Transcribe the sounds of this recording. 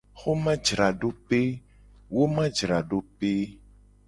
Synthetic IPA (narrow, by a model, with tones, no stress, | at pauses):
xo˦mã˦d͡ʒɾa˨ɖo˦pe˦ | wo˦mã˦d͡ʒɾa˨ɖo˦pe˦